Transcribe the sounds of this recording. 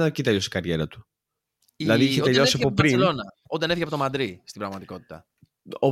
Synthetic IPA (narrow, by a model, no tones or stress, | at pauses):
nɐcit̪eʎost̪i̥ɡɐɾʝe̞ɾɐt̪u̥ | ilɐðiiçeot̪eʎosiɐpopɾinlonɐonenefiçeɐpot̪mɐnd̪ɾist̪ibɾɐɣmɐt̪iko̞t̪i̥t̪ɐ | o